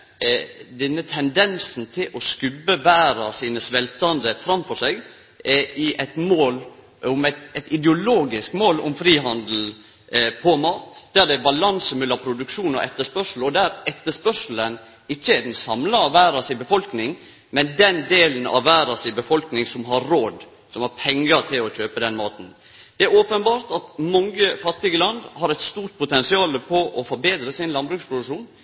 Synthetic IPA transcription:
d̪ɛnːət̪ʰɛnd̪ɛnsn̩t̪ʰɪlʔɔskʉbːəʋæːɾɑsiːnəsʋɛlt̪ɑnd̪əfɾɑmfɔʂɛɡ | ɛɪʔɛɪt̪moːl | ʊmɛt̪ɛt̪ɪd̪ɛʊloːɡɪskmoːlʊ̰mfɾiːɦɑnd̪l̩ | pʰɔmɑːt̪d̪̥æd̪ɛbɑlɑnsəmʉlːɑpʰɾʊd̪ʉkʂuːnɔ̰ʔɛt̪ːəʂpœʂl̩ɔd̪æɾɛt̪ːəʂpœʂl̩ən | ɪçːəɛd̪ɛnsɑmlɑɑʋæːɾəsɪbəfɔlknɪŋ | mɛnd̪ɛnd̪eːlən̩ɑ̰ʋʋæːɾəsɪbəfɔlknɪŋsɔmɦɑɾoːd̪ | sɔmhɑɾpʰɛŋːəɾt̪ʰɪlɔçøːpəd̪ɛnmɑːt̪n̩ | d̪̥ɛæɾoːpənbɑːɾt̪ɑt̪mɔŋːəfɑt̪ːɪɡəlɑnd̪hɑɾɛɪt̪st̪uːɾt̪̚pʰʊt̪ɛnsɪɑːləpʰɔʔɔfɔɾbeːd̪ɾəsɪnlɑnbɾʉːkspʰɾʊd̪ʉkʂuːn

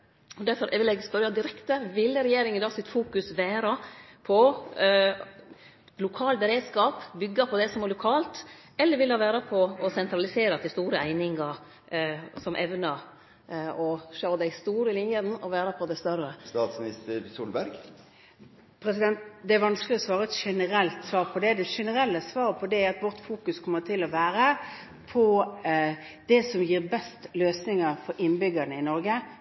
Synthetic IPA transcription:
ɔd̪æɾfɔɾʋɪlɛɡspœɾɑd̪ɪɾɛkt̪əʋɪlːəɾɛjeːɾɪŋɪd̪ɑːɡsɪt̪fuːkʉsʋæːɾɑpʰɔ | lʊkʰɑːlbɛɾeːd̪skɑːpbʏɡːɑpʰɔd̪ɛsɔmæɾlʊkʰɑːlt̪ | ɛlːəɾʋɪlːhɑːʋæːɾɑpʰɔɔsɛnt̪ɾɑlɪseːɾɑt̪ʰɪst̪uːɾəæɪnɪŋɑɾ | sɔmʔɛʋnɑ | ɔʃoːd̪æɪst̪uːɾəlɪnjən̩ɔʋæːɾəpʰɔd̪æɪst̪œɾəst̪ɑːt̪smnɪst̪əɾsuːlbæɾɡ | pʰɾɛsɪd̪ɛnt̪d̪ɛæɾʋɑnsklɪɔsʋɑːɾəɛt̪ʂɛnəɾɛlt̪sʋɑːɾpʰɔd̪ɛd̪ɛʂɛnəɾɛlːəsʋɑːɾpʰɔd̪ɛæɑt̪ʋɔɾt̪fuːkʉskʰɔmːət̪ʰɪlɔʋæːɾə | pʰɔ | d̪̥ɛsɔmjiːɾbɛst̪løːsnɪŋəɾfɔɾɪnbʏɡənəɪnɔɾɡə

